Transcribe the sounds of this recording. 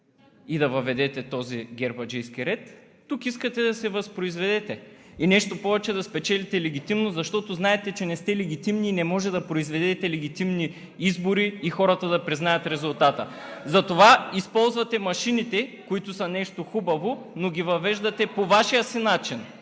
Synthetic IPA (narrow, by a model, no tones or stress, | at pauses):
id̪ɐvɐvɛd̪ɛt̪ɛt̪ɔziɡʲɛɾbɐd͡ʒɛjsk̟iɾɛt̪ː | ukiskət̪ɛd̪ɐsɛvɐspɾoizvɛd̪ɛt̪ɛinɛʃt̪opɔvɛt͡ʃɛd̪ɐspɛt͡ʃɛlit̪ɛlɛɡ̟ʲit̪imnozɐʃt̪ɔt̪oznaɛt̪ɛt͡ʃɛnɛst̪ɛlɛɡ̟ʲit̪imniːnɛmɔʒɛd̪ɐpɾoizvɛd̪ɛt̪ɛlɛɡ̟it̪imni | izboɾiːxɔɾɐt̪ɐd̪ɐpɾiznajɐt̪ɾɛzʊlˠt̪at̪əzɐt̪ovaispɔlˠzvɐt̪ɛmɐʃinit̪ɛkoit̪ʊsɐnɛʃt̪oxubɐvo | noɡʲivɐvɛʒd̪ɐt̪ɛpovaʃijəsinat͡ʃin